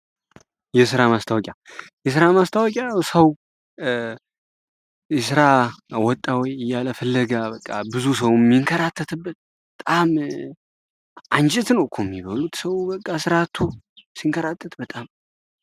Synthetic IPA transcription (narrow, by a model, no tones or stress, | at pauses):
jɛsɨɾamast̪ʰawɔkʼjajɛs̬ɨɾamast̪ʰəwɔkʼawsəw | jɛsɨɾawɔt̪ʼːawɔjɨjːaləfɨlːəɡabəkʼːabɨzusəwmːiŋkʰəɾat̪ʰːət̪ʰɨbːət̪̚bət̪ʼam | ant͡ʃʼɪt̪nəwkʰomːiβəlut̪səwbəkʼːasɨɾat̪ʰːusiŋkʰəɾat̪ʰːət̪bət̪ʼam